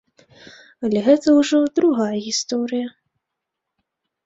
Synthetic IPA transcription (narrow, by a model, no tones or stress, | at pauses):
ɐlʲɛɣɛt̪ɐwʐɔd̪ɾuɣajɐɣʲist̪ɔɾɨjɐ